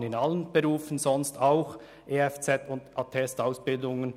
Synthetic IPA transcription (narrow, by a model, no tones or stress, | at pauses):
nɪnalənb̥eɾuːfən̩zɔnstaʊx | ʔeːɛft͡sɛtʊndʔɑtʰɛstaʊsb̥ɪldʊŋən